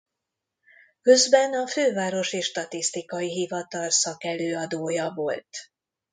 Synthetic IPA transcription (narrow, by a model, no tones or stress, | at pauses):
kø̞zbɛnɒføːvaːɾo̞ʃiːʃt̪ɒt̪ist̪ikɒjiɦivɒt̪ɒlsɒkɛløːɒd̪oːjɒvo̞lt̪